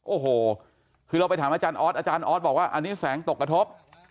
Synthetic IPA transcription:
ʔoː˨˩ɦoː˨˩ | kʰɯː˧ɾa˧wpa˧jt̪ʰaː˩˦mʔaː˧t͡ɕaː˧nʔɔː˦˥t̪̚ʔaː˧t͡ɕaː˧nʔɔː˦˥t̪̚bɔː˨˩k̚waː˥˩ʔa˧nːiː˦˥sɛː˩˦ŋt̪o˨˩kɾa˧t̪ʰo˦˥p̚

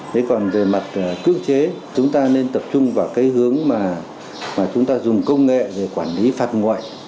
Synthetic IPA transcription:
ɗe˨˦jkɔ˨˩nve˨˩ma˨˩t̚ːkɨ̰˧˥əŋt͡ɕe˨˦ | t͡ɕʊ˨˦ŋ͡mt̪aː˧ne˧nt̪ə˨˩p̚t͡ɕʊ˧ŋ͡mvaː˨˩wkaː˨˦jhɨ˨˦əŋmaː˨˩ | maː˨˩t͡ɕʊ˨˦ŋ͡mt̪aː˧zʊ˨˩ŋ͡mkə˧wŋ͡mŋḛ˧˨ve˨˩kwaː˧˩nli˨˦faː˨˩t̚ŋɔ̰˧˨j

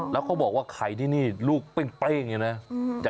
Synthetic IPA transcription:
lɛ˦˥wkʰa˦˥wbɔː˨˩k̚waː˥˩kʰa˨˩˦jt̪ʰiː˥˩niː˥˩luː˥˩k̚pe˧˩ŋple˦˥˩ŋaː˧na˦˥jaː˨˩

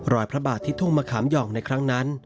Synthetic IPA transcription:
ɾɔː˨˩jpʰɾa˦˥baː˨˩t̪ʰːiː˥˩t̪ʰu˥˩ŋmaː˧kʰaː˩˦mjɔː˨˩ŋna˧jkʰɾa˦˥ŋna˦˥n

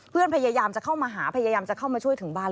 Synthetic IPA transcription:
pʰɯ˥˩ənpʰa˧jaː˧jaː˧mt͡ɕa˨˩kʰa˥˩wmaː˧ɦaː˩˦pʰa˧jaː˧jaː˧mt͡ɕa˨˩ʔkʰa˥˩wmaː˧t͡ɕʰu˥˩əjt̪ʰɯ˩˦ŋbaː˥˧˩

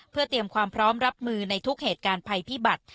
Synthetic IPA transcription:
pʰɯ˥˩ɐt̪i˧əmkʰwaː˧mpʰɾɔː˦˥mɾa˦˥p̚mɯː˧na˧jt̪ʰu˦˥k̚heː˨˩t̪̚kaː˧npʰa˧jpʰiː˥˩ba˨˩t̪̚

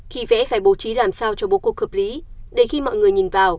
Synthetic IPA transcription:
xi˧˩vɛ̰˧˥faː˧˩jɓo˧˩˦t͡ɕi˨˦laː˨˩msaː˧wt͡ɕɔ˧ɓo˨˦ku˨˩ək̚hə˨˩p̚li˨˦ɗe˨˧˩jxi˧mɔ̰˧˨jŋɨ˨˩əjɲi˨˩nvaː˨˩w

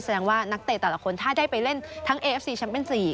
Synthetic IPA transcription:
sa˧dɛː˧ŋwaː˥˩na˦˥k̚t̪e˨˩t̪ɛː˨˩la˦kʰo˧nt̪ʰaː˥˩daː˥˩jpa˧jle˥˩nt̪ʰa˦˥ŋʔeː˧ʔe˦˥siː˧˩t͡ɕʰa˦˥npe˧˨nsiː˨˩

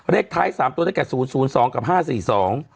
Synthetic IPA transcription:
ɾe˥˩ək̚t̪ʰaː˦˥jsaː˩˦mt̪u˧d̪a˥˩t̪ɛː˨˩suː˩˦nsuː˩˦nsɔː˩˦ŋka˨˩p̚ɦaː˥˩siː˨˩sɔː˩˦ŋ

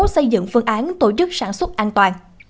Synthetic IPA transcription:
sə˧jzɨ̰˧˨ŋfɨ˧əŋʔaː˨˦nt̪o˧˩t͡ɕɨ˦˥k̚saː˧˩nswə˦˥t̚ʔaː˧nt̪waː˨˩n

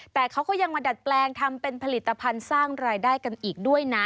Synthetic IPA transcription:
t̪ɛː˨˩kʰa˦˥wkɔː˥˩ja˧ŋma˧da˨˩t̪̚plɛː˧ŋt̪ʰa˧mpe˧npʰa˧li˨˩t̪ːa˧pʰa˧nsaː˥˩ŋɾaː˧jdaː˥˩jka˧nʔiː˨˩k̚du˥˩əjna˦˥

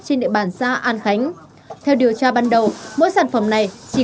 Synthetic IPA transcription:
t͡ɕe˧nɗḭ˧˨ɓaː˧˩nsaː˧ʔaː˧nxa˨˦jŋ̟ | t̪ʰɛ˧wɗi˨˩əwt͡ɕaː˧ɓaː˧nɗə˨˩wmo̰˧˥jsaː˧˩nfə˨˩mna˨˩jt͡ɕi˧˩

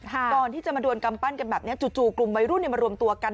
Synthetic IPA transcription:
kʰkɔː˨˩nt̪ʰiː˥˩t͡ɕa˨˩ʔmaː˧du˧ənka˧mpa˥˩nka˧nbɛː˨˩p̚ni˦˥ɐt͡ɕu˨˩t͡ɕuː˧˩klu˨˩mwa˧jɾu˥˩nːi˥˩ma˧ɾu˧əmt̪u˧ɐka˧n

